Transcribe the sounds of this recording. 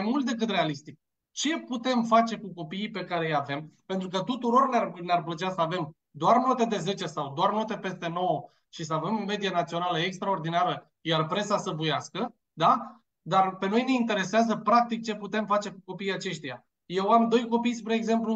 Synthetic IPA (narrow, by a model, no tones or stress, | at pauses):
ajmult̪̚d̪e̞k̬ɨt̪re̞alist̪ik̚ | t͡ʃe̞put̪e̞mfat͡ʃe̞kuko̞piipe̞kaɾe̞jave̞mpe̞nt̪ɾukət̪ut̪uɾo̞rnarnearplət͡ʃasəave̞m | d̪oarno̞t̪e̞d̪e̞ze̞t͡ʃesawd̪oarno̞t̪epe̞st̪e̞no̞wo | ʃisəave̞mome̞d̪ijenat̪sio̞naləekst̪ɾao̞rd̪inaɾə | jarpɾe̞sasəbujaskə | d̪a | d̪arpe̞no̞jne̞int̪e̞ɾe̞seazəpɾak̚t̪ik̚t͡ʃe̞put̪e̞mfat͡ʃe̞kuko̞piːjat͡ʃe̞ʃt̪ija | je̞wamd̪o̞jko̞pijspɾeːɡze̞mplu